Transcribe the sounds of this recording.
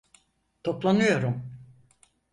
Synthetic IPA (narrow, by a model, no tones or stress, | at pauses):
t̪ʰo̞plˠanɯjo̞ɾum